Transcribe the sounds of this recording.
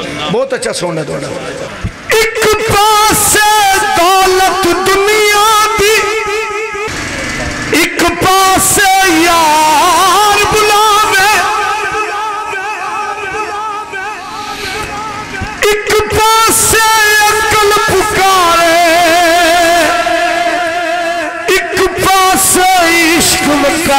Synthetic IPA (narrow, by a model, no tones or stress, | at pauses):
bɔːt̪ɐtːʃʰasoːɳɖad̪o̰ɳa̰ | ɪkpaːseːd̪aːlət̪d̪ʊnijaːd̪iː | ɪkpaːsejaː | ɾbʊlaːʋeː | ikɨpasejɐkɐlɐpukaɾe | ikɨpasɐiʃkɨmɐka